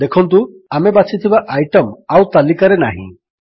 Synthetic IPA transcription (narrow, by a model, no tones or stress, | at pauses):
d̪ekʰɔnt̪̬u | amebat͡ʃit̪ʰibaʔajʈɔmawt̪alikaɾenaɦḭ̃